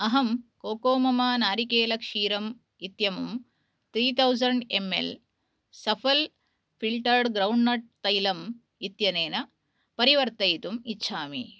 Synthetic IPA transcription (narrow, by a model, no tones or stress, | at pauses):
ɐɦɐmkoːkoːmɐmaːnaːɾikeːlɐkʂiːɾɐm | it̪jɐmum | t̪ɾiːt̪ʰɐwzɐɳɖemːḛl | sɐpʰɐl | pʰilʈɐɾɖɡɾɐwɳɖnɐʈ̚t̪ɐjlɐm | it̪jɐneːnɐ | pɐɾiʋɐɾt̪ɐjt̪umitːʃʰaːmḭ